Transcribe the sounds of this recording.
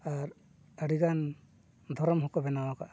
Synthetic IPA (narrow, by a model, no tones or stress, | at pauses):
aɾ | aɽiɡan | d̪ʱɔɾɔmɦɔkɔbɛnawakaʔ